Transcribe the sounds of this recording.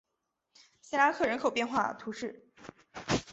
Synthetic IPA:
ɕi˥la˧˥kʰɤ˥˩ɻə˧˥nkʰo˨˩ʊpjɛ˥˧nxwa˥˩t̪ʰu˧˥ʂɻ̩˥˩

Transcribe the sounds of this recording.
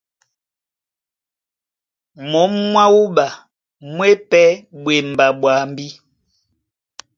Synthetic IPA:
mɔ˨˦mmwa˦wu˦ɓa˨ | mwe˦pɛ˦ɓwe˨m˨ba˨ɓwa˨mbi˦

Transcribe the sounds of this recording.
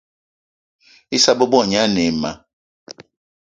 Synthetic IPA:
i˦sa˦bə˦bɔ˦˨ɲ˦a˦ne˨ma̰˨

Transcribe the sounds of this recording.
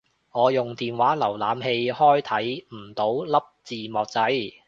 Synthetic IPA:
ŋɔː˨˧jʊ˨ŋt̪iː˨nwaː˨˥lɐ˨˩wlaː˨˧˥mɦe˧jhɔː˥jt̪ʰɐ˨˥jm̩˨˩t̪o˨˥wlɐ˥p̚t͡siː˨mɔː˨˧k̚t͡sɐ˨˥j

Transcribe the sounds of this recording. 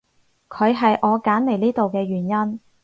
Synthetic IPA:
kʰɵ˨˧ɥɦɐ˨jʔɔː˨˧kaː˨˥nle˨˩jliː˥t̪o˨wkɛː˧ɥyː˨˩njɐ˥n

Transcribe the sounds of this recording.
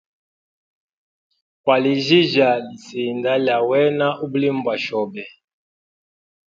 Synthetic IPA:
kwa˨li˨ʒi˦ʒa˨li˨si˨nda˦lja˨wɛ˦na˦ʔu˦bu˦li˦mbwa˨ʃɔ˨bɛ˨

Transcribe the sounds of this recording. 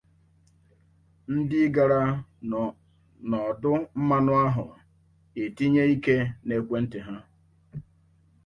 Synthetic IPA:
n̩˦dɪ˦ɡa˨ɾa˦ | nɔ˨dʊ˦m̩˦ma˦nʊ˦a˦ɦʊ˨ | e˨ti˦ɲe˦i˦ke˦ne˨kʷe˦n̩˦te˨ɦa˦

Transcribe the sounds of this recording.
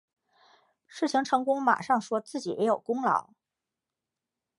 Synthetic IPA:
ʂɻ̩˥˩t͡ɕʰi˧˥ŋʈ͡ʂʰɤ˧˥ŋkʊ˥ŋma̰˨˩ʂɑ˥˩ŋʂwɔ˥t͡sɹ̩˥˩t͡ɕi˨˩jɛ̰˧˥jo˨˩ʊkʊ˥ŋlɑ̰˧˥˦ʊ

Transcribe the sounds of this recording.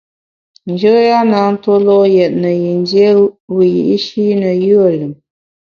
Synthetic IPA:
n˨d͡ʒə˦ja˦na˨˦n̩˦to˦lɔ˦ʔjɛ˨t̚nə˨ji˨n˦dje˦wi˨jḭ˨ʔi˦ʃi˦nə˨jɯ˦ə˦˨lə˨m

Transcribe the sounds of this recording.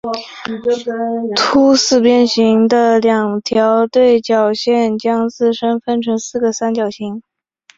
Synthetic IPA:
t̪ʰu˥sɹ̩˥˩pjɛ˥˩nɕi˧˥ŋd̪ə˧ljɑ˨˩ŋt̪ʰjɑ˧˥ʊt̪we˥˩ɪt͡ɕjɑ˨˩ʊɕjɛ˥˩nt͡ɕjɑ˥ŋt͡sɹ̩˥˩ʂə˥nfə˥nʈ͡ʂʰɤ˧˥ŋsɹ̩˥˩ɡə˩sa˥nt͡ɕjɑ˨˩ʊɕi˧˥ŋ

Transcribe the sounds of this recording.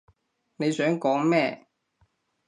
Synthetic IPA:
ne˨˧jsœː˨˥ŋkɔː˨˥ŋmɛː˥˧

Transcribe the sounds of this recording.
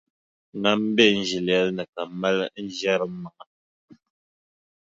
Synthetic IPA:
na˨m̩˦bɛ˦˨n̩˦d͡ʒi˨la˦lnə˨ka˨mɛ˦ln˦d͡ʒja˦ɾə˨˦ma˨ʔa˨

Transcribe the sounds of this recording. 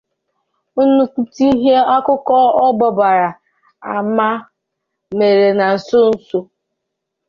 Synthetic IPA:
u˦nu˦ku˦ti˦i˦ɦe˦a˦kʊ˦kɔ˦ɔ˦bɔ˨ba˨ɾa˨ | a˨ma˦ | me˨ɾe˨na˨n̩˨sʊ˦n̩˦so˦

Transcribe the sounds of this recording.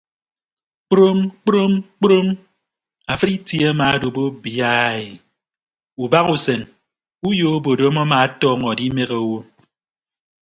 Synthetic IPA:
k͡pɾo˦mk͡pɾo˦mk͡pɾo˦m | a˨fɨ˦ɾi˦ti˦e˦a˦ma˨a˦do˨bo˦bja˦˨i˨ | u˨ba˦ɣu˨se˨n | u˦jo˦o˦bo˨do˦mɔ˦ma˨a˦tɔː˦ŋɔ˨di˦me˦ɣe˨˦wo˦

